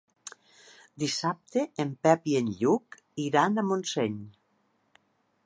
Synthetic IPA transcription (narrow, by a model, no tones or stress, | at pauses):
d̪isap̚t̪eempɛpienʎuk | iɾanamonseɲ